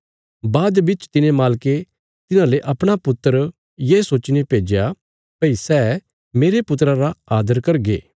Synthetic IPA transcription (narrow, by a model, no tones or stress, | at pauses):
baːd̪bɪt͡ʃt̪ɪnẽmaːlke | t̪ɪnãleʔɐpɽ̃apʊt̪ːəɾ | jeːsoːt͡ʃnepeːd͡ʒja | pɐisɛː | meːɾepʊt̪ɾaɾaaːd̪əɾkɐɾɡḛː